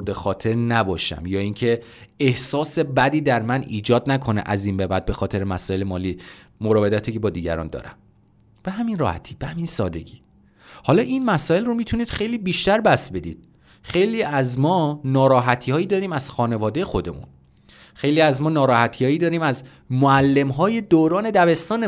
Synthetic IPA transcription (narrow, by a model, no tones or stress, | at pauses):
d̪exɒːt̪ʰe̞ɾnæbɒːʃæ̰mjɒːiŋcʰe̞ | ehsɒːse̞bæd̪iːd̪æɾmæniːd͡ʒɒːd̪nækʰo̞nḛʔæziːnbebæd̪̚be̞xɒːt̪e̞ɾemæsɒːjelemɒːliː | moɾɒːve̞d̪æt̪ʰicʰebɒːd̪iːɟæ̰ɾɒ̰nd̪ɒ̰ːɾæ̰m | b̥eɦæminrɒ̰ːhæ̰t̪ʰiːbehæminsɒ̰ːd̪e̞ɟiː | hɒːlɒːʔinmæsɒːelromiːt̪ʰuniːd̪̥xe̞jliːbiːʃt̪æɾbæsbe̞d̪ḭːd̪̥̚ | xe̞jliːæzmɒːnɒːɾɒːɦæt̪ʰiːhɒːjid̪ɒːɾiːmæz̥xɒːne̞vɒːd̪e̞jexo̞d̪e̞̰mṵn | xe̞jliːæzmɒːnɒːɾɒːhæt̪ʰijɒːjiːd̪ɒːɾiːmæz | moælːe̞mɦɒːje̞d̪oːɾɒːne̞d̪æve̞st̪ɒːne